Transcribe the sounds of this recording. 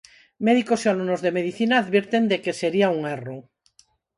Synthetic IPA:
meðikosealunozðemeð̞iθinaːðβiɾt̪end̪ekeseɾiauŋero

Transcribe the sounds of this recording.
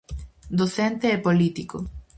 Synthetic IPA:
d̪oθɛnt̪eɛpolit̪iko

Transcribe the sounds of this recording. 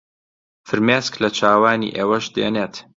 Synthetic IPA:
fɨɾmeːsklɐt͡ʃʰaːwaːnḭːʔeːwɐʃd̪ḛːneːt̪

